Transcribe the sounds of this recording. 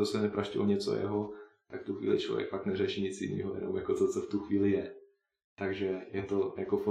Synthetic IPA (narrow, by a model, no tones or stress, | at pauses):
osɛnɛpɾaʃcɪoɲɛt͡so̰jɛ̰ɦot̪akft̪uxʋḭːlɪ̰t͡ʃlovjɛ̰kfaknɛrɛʃiɲɪt͡sjɪ̰nḭːɦojɛ̰no̰mjako̞t͡sot͡soft̪uxviːlɪjɛ | t̪aɡʒɛjɛt̪o̞jakofo